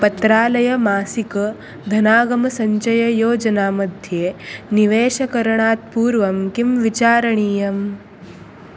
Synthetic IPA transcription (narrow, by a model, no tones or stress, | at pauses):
pɐt̪ɾaːlɐjɐmaːsikɐ | d̪ʱɐnaːɡɐmɐsɐɲt͡ʃɐjɐjoːd͡ʒɐnaːmɐd̪ʱjeːniʋeːʃɐkɐɾɐɳaːt̪̚puːɾʋɐmkimʋit͡ʃaːɾɐɳiːjɐm